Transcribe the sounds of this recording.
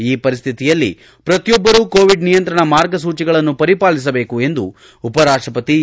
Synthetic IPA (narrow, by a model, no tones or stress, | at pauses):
iːpɐɾist̪ʰit̪ijɐlːḭ | pɾɐt̪jɔbːɐɾuːko̞ːʋiɖnijɐnt̪ɾɐɳɐmaːɾɡɐs̬uːt͡ʃiɡɐɭɐnːupɐɾipaːɭis̬ɐbe̞ːkue̞nd̪ṵ | upɐɾaːʂʈɾɐpɐt̪i